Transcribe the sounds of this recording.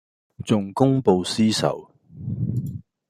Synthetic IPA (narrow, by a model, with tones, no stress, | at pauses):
t͡sʊ˨ŋkʊ˥ŋpo˨˧wsiː˥sɐ̰˨˩w